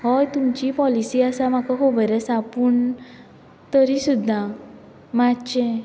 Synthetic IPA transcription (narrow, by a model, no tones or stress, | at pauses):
ɦɔjt̪umt͡ɕipɔlisiasamakɔɦobɔɾɛsapuɳ | t̪ɔɾisud̪ʱːa | mat͡ʃe